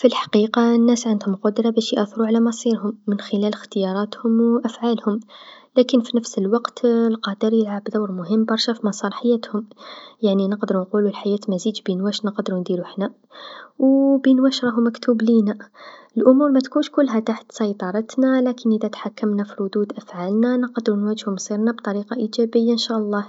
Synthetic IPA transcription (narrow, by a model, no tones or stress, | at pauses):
filħḁqiqɑənːæsʕand̪hʊmqʊd̪ɾˤɑbæʃjʔæθˤɾuʕalæmɑsˤiɾhʊmːənxɪlæləxt̪əjɑɾˤɑt̪hʊmwʔæfʕalhʊmlækənfinəfsəlwɑqt̪lqɑd̪əɾjəlʕabd̪ɑwɾmʊɦəmːbɑɾˤʃæfimɑsˤɑɾˤħajæt̪hʊmjaʕninəqd̪əɾunqululħajæt̪mæzid̪binwæʃnəqd̪ɾund̪iɾuħnæ | wbinwæʃɾˤɑɦumækt̪uːblinæəlʔʊmuːɾmæt̪kunʃkʊlːɦæt̪aħt̪sɑjt̪ˤɑɾˤɑt̪nælækənʔəðæt̪ħakːəmnafiɾʊd̪ud̪ʔæfʕalnænəqd̪ɾunwæʒhʊmsˤiɾnabt̪ˤɑɾiqɑʔid͡ʒæbəjːaənʃæʔɑlˤːɑh